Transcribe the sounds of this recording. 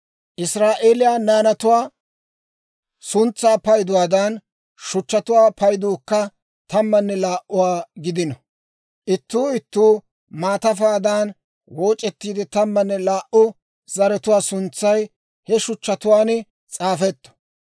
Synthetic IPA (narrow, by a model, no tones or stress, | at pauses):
ʔɪsɾaːʔeːlɪjaːnaːnɐt̪ʊwaː | sʊnt͡sːaːpɐjd̪ʊwaːd̪ɐn | ʃʊt͡ʃːɐt̪ʊwaːpɐjd̪uːkːɐ | t̪ɐmːɐnːɛlaːʔʊwaːɡɪd̪ɪnɔ | ʔɪt̪ːuːɪt̪ːuː | maːt̪ɐfaːd̪aːn | woːt͡ʃʼːɛt̪ːiːd̪ɪt̪ɐmːɐnːɛlaːʔʊ | zɐɾɛt̪ʊwaːsʊnt͡sːɐj | hɛʃʊt͡ʃːɐt̪ʊwaːn | t͡sʼaːfɛt̪ːɔ̥